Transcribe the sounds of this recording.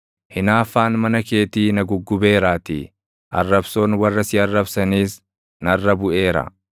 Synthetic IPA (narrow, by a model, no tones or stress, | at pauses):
hɪnaːfːaːnmɐnɐke̞ːt̪iːnɐɡʊɡːʊbe̞ːɾaːt̪ḭ | ʔɐ̰rːɐbso̞ːnwɐrːɐsɪɐrːɐbsɐniːs | nɐrːɐbʊʔe̞ːɾɐ̰